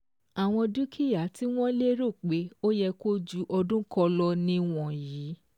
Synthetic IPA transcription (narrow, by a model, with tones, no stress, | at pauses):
a˨w̃ɔ̃˧du˦kʰi˦ja˨˦ti˦w̃ɔ̃˦le˦ɾo˦˨k͡pe˨˦o˦jɛ˧ko˦d͡ʒu˦ʔɔ˧dũ˦kɔ˧lɔ˧nĩ˧w̃ɔ̃˨jiː˨˦